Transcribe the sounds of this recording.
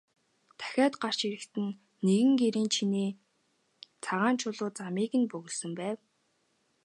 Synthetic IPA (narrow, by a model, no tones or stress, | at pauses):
t̪ʰæ̥xʲaːt̪ɢar̥t͡ɕiɾɘ̆kt̪ɘ̆nː | eɣɘ̆ŋɡeɾiːnt͡ɕʰiniː | t͡sʰaʁaːnt͡ɕʰʊɮʊːt͡samiːɣɘ̆npɵɣɵ̆ɮsɵ̆mpæːw